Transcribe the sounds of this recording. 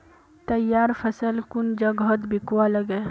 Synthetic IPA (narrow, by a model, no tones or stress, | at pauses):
t̪ɐjaːɾfʰəsəlkund͡ʒɐɡɦət̪bɪkwaləɡɛ